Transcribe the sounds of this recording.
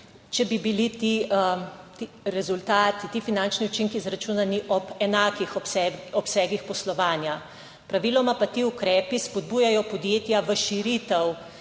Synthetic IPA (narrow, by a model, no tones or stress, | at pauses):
t͡ʃɛbibilit̪i | t̪i | ɾɛzult̪aːt̪it̪iːfinant͡ʃniut͡ʃiŋkizɾat͡ʃunaniʔɔpɛnaːkixɔsɛɔpsɛːɡixpɔslɔʋaːnja | pɾaʋilɔmapat̪iːukɾɛːpispɔd̪̚buːjajɔpɔd̪jeːt̪jaʋəʃiɾit̪ɛw